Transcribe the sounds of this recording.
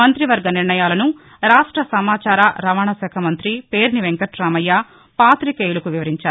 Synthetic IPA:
ɐnt̪ɾiʋɐɾɡɐniɾɳɐjaːlɐnu | ɾaːʂʈɾɐsɐmaːt͡ʃaːɾaɾɐʋaːɳɐsɛːkʰɐmɐnt̪ɾipe̞ːɾniʋeŋkɐʈɾaːmɐjːa | paːt̪ɾikeːjulɐkuʋiʋɐɾiɲt͡ʃaːɾu

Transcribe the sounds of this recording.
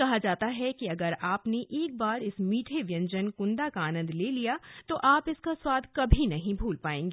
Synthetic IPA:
kɐɦad͡ʒaːt̪aɦɛkiɐɡəɾaːpneʔeːk̚baːɾɪsmiːʈʰeʋjə̃ɲd͡ʒənkʊ̃nd̪akaaːnə̃nd̪leːlijat̪oʔaːpɪskaswaːd̪ʱkɐbʱinɐɦĩbʱuːlpaːẽːŋɡeː

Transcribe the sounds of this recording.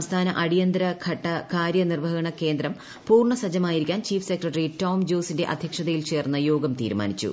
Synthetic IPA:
mst̪ʰaːnɐʔɐɽijɐnd̪ɾɐkʰɐʈːɐkaːɾjɐnirʋɐɣɐɳɐke̞ːnd̪ɾɐm | puːrɳɐsɐd͡ʑɐmaːjiɾikʲːaːnt͡ɕiːfsekrɐʈɐrito̞ːmd͡ʑoːsinde̞ʔɐd̪ʱjɐkʂɐðɐjilt͡ɕe̞ːrnːɐjo̞ːɡɐmt̪ḭːɾuma̰ːnit͡ɕːṵ

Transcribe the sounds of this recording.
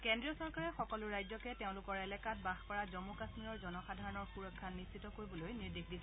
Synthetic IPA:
kɛndɹiɔsɔɹkaɹɛxɔkɔlʊɹajzɔkɛteʊ̃lʊkɔɹɛlɛkat̚baxpɔɹazɔmukasmiɹɔɹzɔnɔxadʱaɹɔnɔɹxuɹɔkʰːanːistːitɔkoɹibɔlojniɹdixdis

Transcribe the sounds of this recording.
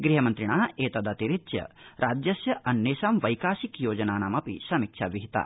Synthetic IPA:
ɡɾiɦɐmɐnt̪ɾiɳaːeːt̪ɐd̪ɐt̪iɾitjɐ̰ɾʔaːd͡ʒjɐsjɐʔɐnːjeːʃaːmʋɐjkaːsikjoːd͡ʒɐnaːnaːmɐpḭsɐmikʂʰaːʋiɦit̪a̰ː

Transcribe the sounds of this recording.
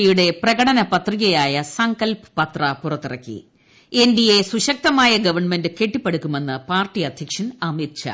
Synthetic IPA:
ijuɽe̞prɐɣɐɽɐnɐpɐt̪riɣɐjaːjɐsɐŋɡɐlpɨ̥pɐt̪rɐpurɐt̪ːirɐ̰kːḭ | e̞ndije̞suɕɐk̚t̪ɐmaːjɐɡɐʋɐrɳme̞ndɨke̞ʈːipːeɽukʲːume̞nːɨpaːrʈːiɐd̪ʱjɐkʂɐnɐmit̪ɕɐ̰

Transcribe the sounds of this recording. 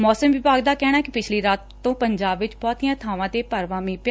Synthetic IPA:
mɔːsəmʋɪbaːɡd̪aːkɛːɽ̃aːɛkɪpɪt͡ʃʰliːɾaːt̪tːõːpəɲd͡ʒaːbʋɪt͡ʃbɔːt̪iːjãːt̪ʰaːʋãːt̪eːpəɾʋãːmĩːp

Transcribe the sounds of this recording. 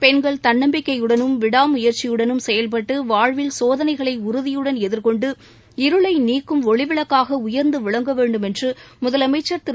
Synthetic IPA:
pɛnɡɐɭt̪ɐnːɐmbɪkːɐɪjɯɽɐnɯmʋɪɽaːmʊjɐɾt͡ʃːɪjɯɽɐnɯmsɛjɐlp̬ɐʈːɯʋaːɻʋɪlsoːðɐnɐɪɣɐɭɐɪʊɾʊðɪjɯɽɐnɛðɪɾkɔɳɖɯ | ɪɾɯɭɐɪniːkːɯmɔɭɪʋɪɭɐkːaːɣɐʊjɐɾnd̪ɯʋɪɭɐŋɡɐʋeːɳɖɯmɛndrɯmʊðɐlɐmɐɪt͡ʃːɐɾt̪ɪ

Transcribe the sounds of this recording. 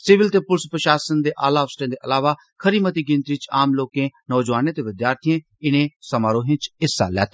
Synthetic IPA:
sɪʋɪlt̪eːpʊɾspɾəʃaːsənd̪eːʔaːlaɔːʋsʈẽːd̪eːʔɐlaːʋaː | kʰəɾiːmət̪iːɡɪ̃nt̪it͡ʃaːmloːkẽːnɔːd͡ʒʋaːnẽːt̪eːʋɪd̪jaːɾt̪ʰijẽː | ɪnẽːsəmaːɾõːɦɪ̃t͡ʃɪsːa̰ːlɛ̰ːt̪ʰː

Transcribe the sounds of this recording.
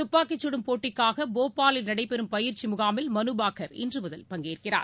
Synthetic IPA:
t̪ʊpːaːkːɪt͡ʃːɯɽɯmpoːʈːɪkːaːɣɐboːpːaːlɪlnɐɽɐɪpɛɾɯmpɐjɪɾt͡ʃːimʊɣaːmɪlmɐnɯbaːkɐɾɪ̰ndrɯmɐðɐlpɐŋɡeːrkɪra̰ːɾ

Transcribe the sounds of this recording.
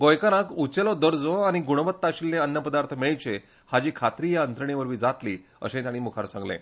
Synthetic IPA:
ɡojkaɾãkut͡ɕelɔd̪əɾd͡zɔañiɡuɽ̃ʋət̪ːaɕilneənːəpəd̪aɾt̪ʰəmiɭt͡ɕe | had͡ʑiːkʰat̪ɾiːjaənt̪ɾəɳ̃iʋəɾʋiːd͡zat̪li | ə̰ɕẽt̪aɽ̃iːmukʰaɾsãŋɡlḛ̃

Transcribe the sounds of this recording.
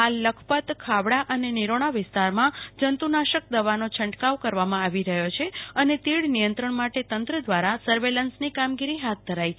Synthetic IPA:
alːəkʰpət̪kʰaʋɽaʔəneniɾoɽ̃aʋɪst̪aɾmãd͡ʒənt̪unaʃək̚d̪əʋanot͡ʃʰə̃ɳʈkaʋkəɾʋamãaʋiɾəɦjot͡ʃʰeənet̪iɭnijənt̪ɾəɳmaʈet̪ənt̪ɾəd̪ʋaɾasəɾʋelənsnikamɡiɾiɦat̪̚d̪ʱəɾajt͡ʃʰ

